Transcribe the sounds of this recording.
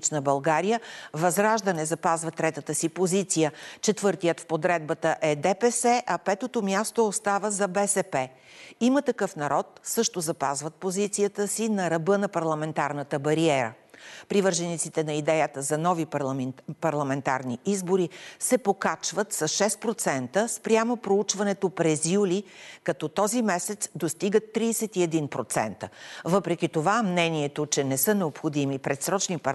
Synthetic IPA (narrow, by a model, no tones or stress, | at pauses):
t͡ʃnəbɐlˠɡaɾijəvɐzɾaʒd̪ənɛzɐpazvət̪ɾɛt̪ət̪əsipozit̪sijət͡ʃɛt̪vɤɾt̪ijət̪fpod̪ɾɛd̪̚bət̪əʔɛd̪ɛpɛsɛʔɐpɛt̪ot̪omʲjast̪oost̪avəzɐbɛsɛpɛ | imət̪ɐkɤfnɐɾɔt̪̚sɤʃt̪ozɐpazvət̪̚pozit̪sijət̪əsinɐɾɐbɤnɐpɐɾlˠɐmɛnt̪aɾnət̪əbɐɾiɛɾə̰ | pɾivɤɾʒɛnit̪sit̪ɛnɐid̪ɛjət̪əzɐnɔvi | pɐɾlˠɐmɛnt̪aɾniizboɾisɛpokat͡ʃvət̪sɐsʃɛspɾot̪sɛnt̪əspɾʲjamopɾout͡ʃvɐnɛt̪opɾɛzjulikɐt̪ɔt̪ɔzimɛsɛt̪sd̪ost̪iɡət̪ːɾiːsɛt̪iɛd̪inpɾot̪sɛ̰nt̪əvɤpɾɛk̟ʲit̪ovamnɛniɛt̪ot͡ʃɛnɛsɤnɛopxod̪imipɾɛt̪sɾɔt͡ʃnipɐ